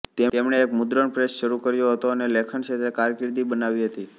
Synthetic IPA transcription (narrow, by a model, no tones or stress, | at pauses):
t̪eemɳeːkmʊd̪ɾəɳpɾesʃəɾukəɾjoɦət̪oənelekʰəɳʃet̪ɾekaɾkɪɾd̪ibənaʋiɦət̪i